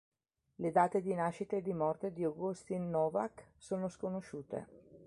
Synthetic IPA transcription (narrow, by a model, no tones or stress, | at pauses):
led̪aːt̪ed̪inaʃit̪ed̪imɔrt̪ed̪ioɡust̪inːɔːvaksoːnoskonoʃuːt̪ḛ